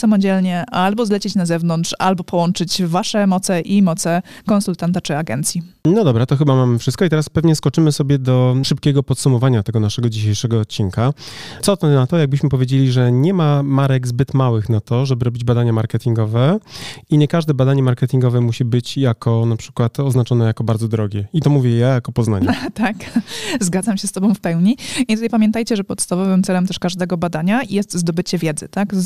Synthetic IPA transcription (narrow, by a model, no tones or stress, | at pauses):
samɔd͡ʑɛlɲɛalbɔzlɛt͡ɕet͡ɕnazɛvnɔnt̪ʂalbɔpɔwɔnt͡ʂɘd͡ʑvaʂɛmɔt̪sɛʔimɔt̪sɛkɔnsult̪ant̪at͡ʂɘaɡɛnt̪sʲjinɔd̪ɔbɾat̪ɔxɘbamamɘfʂɘst̪kɔit̪ɛɾaspɛvɲɛskɔt͡ʂɘmɘsɔbʲjɛd̪ɔʂɘp̚kʲɛɡɔpɔt̪sumɔvaɲat̪ɛɡɔnaʂɛɡɔd͡ʑiɕejʂɛɡɔːt̪̚t͡ɕːiŋkat̪sɔt̪ɛnat̪ɔjaɡ̚bɘɕmɘpɔvʲjed͡ʑelʲiʐɛɲɛmamaɾɛɡzbɘt̪mawɘxnat̪ɔʐɛbɘɾɔbʲid͡ʑbad̪aɲamaɾkɛt̪ʲiŋɡɔvɛiɲɛkaʐd̪ɛbad̪aɲɛmaɾkɛt̪ʲiŋɡɔvɛmuɕibɘt͡ɕjakʰɔnapʂɘ̥kwat̪ɔznat͡ʂɔnɛjakɔbaɾd̪zɔd̪ɾɔɡʲɛit̪ɔmuvʲjɛjajakɔpɔzna̰ɲɛt̪akzɡad̪zamɕɛst̪ɔbɔ̃w̃fpɛwɲiit̪ut̪ajpamʲjɛnt̪ajt͡ɕɛʐɛpɔt̪st̪avɔvɘmt̪sɛlɛmt̪ɛʂkaʐd̪ɛɡɔbad̪aɲajɛst̪zd̪ɔbɘt͡ɕɛvʲjɛd̪zɘt̪ak